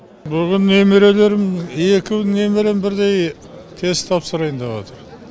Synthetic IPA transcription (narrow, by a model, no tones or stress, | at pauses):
bʏɡʲɪnːe̞meɾe̞le̞ɾɪme̞kʲɪne̞meɾembɪɾd̪e̞j | t̪ʰe̞zt̪ʰɑpsəɾɑjənd̪ɑβɑt̪əɾ